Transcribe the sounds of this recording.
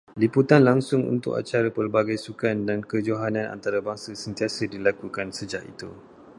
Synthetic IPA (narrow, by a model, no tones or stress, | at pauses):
liput̪anlaŋsʊŋṵnt̪ʊ̰ka̰t͡ʃaɾapərbaɡajsukandankəd͡ʒoɦanãna̰nt̪aɾabaŋsasənt̪iasədilakukansəd͡ʒaʔḭt̪u